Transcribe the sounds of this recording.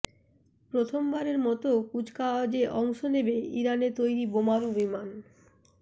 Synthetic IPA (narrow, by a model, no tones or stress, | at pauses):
pɾot̪ʰombaɾeɾmɔt̪okud͡ʑkaad͡ʑeʔɔŋʃonebeḭɾanet̪ojɾibomaɾubiman